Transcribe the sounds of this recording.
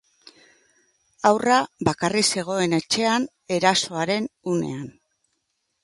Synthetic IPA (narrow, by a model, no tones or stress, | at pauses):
awraβakarise̞ɣ̞o̞e̞ne̞t͡ʃe̞an | e̞ɾaso̞aɾe̞nune̞̰an